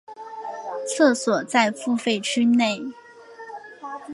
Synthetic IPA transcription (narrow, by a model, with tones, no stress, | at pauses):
t͡sʰɤ˥˩swɔ˨˩t͡sa˥˧ɪfu˥˧fe˥˩ɪʈ͡ʂ̩ʰ˥ne˥˩ɪ